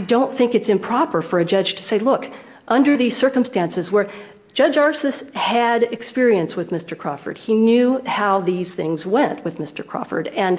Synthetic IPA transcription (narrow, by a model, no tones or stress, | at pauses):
dõʊ̃nθɪ̃ŋkɨtsɨ̃mpʰɹ̥ɑpə˞fə˞ɨd͡ʒʌd͡ʒʒ̥tʰɨ̥seɪlʊk | ʔʌ̃ndə˞ðiz̥sɜ˞kə̃m̩stæ̃nsɨzwə̥˞ | d͡ʒ̥ʌd͡ʒɑɹsɨshɨɾɨkspɪɹiɨ̃nswɨðmɪstə˞kʰɹ̥ɑ̰fə̰˞d̚injʉhaʊðiz̥θɪ̰̃ŋzwɛ̃nʔwɨðmɪstə̰˞kʰɹ̥ɑ̰fə̰˞ɾɨ̃n